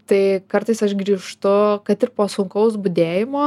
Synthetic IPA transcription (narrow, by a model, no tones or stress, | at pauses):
t̪ɐɪkɐrt̪ɐɪsɐʃɡɾʲiːʃt̪ʊkɐt̪ɪrpoːsʊŋkɐʊsbʊd̪ʲeːjɪmoː